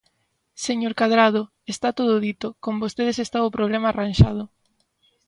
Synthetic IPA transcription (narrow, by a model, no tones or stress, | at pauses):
seɲoɾkaðɾað̞ʊ | est̪at̪oð̞ʊðit̪okombost̪eðesest̪aʊpɾoβ̞lemaːranʃað̞ʊ